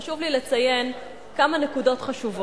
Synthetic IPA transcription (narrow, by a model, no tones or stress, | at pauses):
ʃuvlilet͡saje̞n | kamanekudo̞tχaʃuvo